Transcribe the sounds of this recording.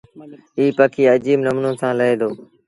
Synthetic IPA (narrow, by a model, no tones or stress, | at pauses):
iːpəkʰiːəd͡ʒiːbnəmnõːsãːləeːd̪oː